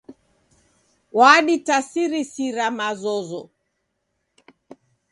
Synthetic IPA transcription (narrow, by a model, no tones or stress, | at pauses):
waɗitasiɾisiɾamazɔzɔ